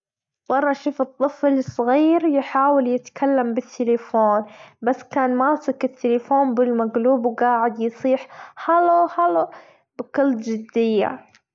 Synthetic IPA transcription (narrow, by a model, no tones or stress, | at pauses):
wɑrˤːɑʔʃuːfɨt̪ˤːɨflsˤɣiːɾjħaːwɪljɪt̪kʰalːambɪt̪ːɪlɪfoːnbasːkaːnmaːsɪkɪt̪ːɪlɪfoːnbɪlmaɡluːbwɡaːʕɪd̪jsˤiːħhalohalo | bɪkɑld̪d͡ʒɪd̪ːɪjːa̰